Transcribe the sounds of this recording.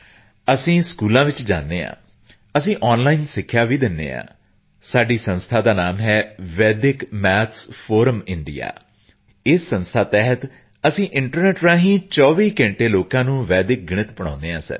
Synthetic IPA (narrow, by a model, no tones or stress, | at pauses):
əsĩːskuːlãːʋɪt͡ʃd͡ʒa̰ːnd̪eːã̰ː | əsĩːʔɔːnlaːinsɪkʰːjaːʋiːd̪ɪnːḛːã̰ː | saːɖiːsə̃nst̪ʰaːd̪aːnaːmɦɛːʋɛːd̪ɪkmɛːt̪ʰspʰoːɾəmɪ̃ɳɖḭja̰ː | ɪsːənst̪ʰaːt̪ɛːɦət̪ | əsĩːʔɪɳʈəɾnɛːʈɾãːɦĩːt͡ʃɔːʋiːkɛ̃ːɳʈeːloːkãːnũːʋɛːd̪ɪk̚ɡɪɽ̃ɪt̪bəɳã̰ːnd̪eːɦãːsə̰ɾ